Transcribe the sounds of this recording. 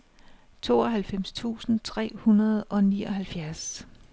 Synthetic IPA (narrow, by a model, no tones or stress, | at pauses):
t͡sʰo̝̰ːɒ̽ɦælfem̰st͡sʰṵːsn̩t͡sʰʁɛ̰ːhunɐð̞̩ˠɒ̽niːɒ̽ɦælfjæɐs